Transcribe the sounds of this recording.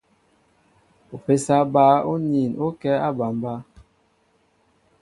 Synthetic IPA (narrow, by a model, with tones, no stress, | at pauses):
o˨pe˨sa˦ba˨˦o˦ni˨no˦kɛ˦a˦ba˨mba˦